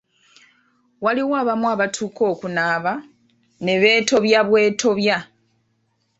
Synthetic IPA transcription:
waliwaːβamuaβatʰuːkʰo̞ːkunaːβa | ne̞βe̞ːto̞βjaβwe̞ːtʰo̞βja

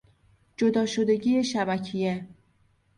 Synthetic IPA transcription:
d͡ʒo̞d̪ɒːʃo̞d̪e̞ɟiːjeʃæbæcʰije

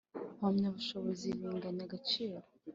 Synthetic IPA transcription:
mamɲaβuʃoβoziɾiːŋɡanaɡat͡ʃiːɾo

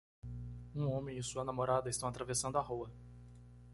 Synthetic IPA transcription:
ũõmẽɪsuɐnamoɾad̪ɐɪst̪ɐ̃w̃at̪ɾavesɐ̃nd̪ʊaɦowɐ

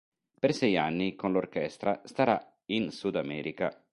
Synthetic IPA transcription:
persɛjanːikonlorkɛst̪ɾast̪aɾa | insud̪amɛːɾika

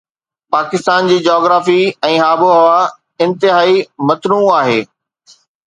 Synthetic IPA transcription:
paːkɪst̪aːnd͡ʑiːd͡ʑɔːɡɾaːfiɛ̃ːɦaːboɦɐʋa | ɪ̃nt̪ɪɦaːimɐt̪nũːaːɦeː

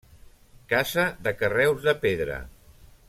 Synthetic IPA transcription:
kazəðəkərɛwzðəpeðɾə̰

